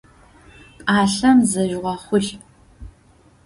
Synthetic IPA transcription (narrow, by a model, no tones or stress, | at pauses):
qʼaːɬɐmzɐʒʁʷɔχʷʊɬ